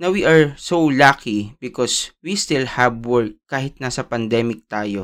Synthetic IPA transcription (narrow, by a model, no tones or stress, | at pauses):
nɐwiʔaɹsowlakibɪkɔswist̪ɪlhɐbwɔɹt̪̚kaːhɪt̪̚nasɐpɐnd̪ɛːmɪk̚t̪aːjo